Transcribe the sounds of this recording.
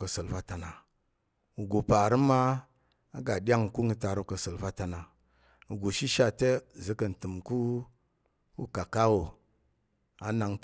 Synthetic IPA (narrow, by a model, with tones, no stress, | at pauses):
kə˨sə˨lfa˦ta˨na˨ | wu˨ɡo˨pa˨ɾi˦ma˦ | a˨ɡa˨ɗʲa˦ŋ˨ku˦ŋi˦ta˨ɾo˦kə˨sə˨lfa˦ta˨na˨ | u˨ɡu˨ʃi˦ʃa˧te˦˨zə˦kə˨n˨tɨ˨mku˦ | wu˦ka˨ka˦wo˨ | a˨na˨ŋt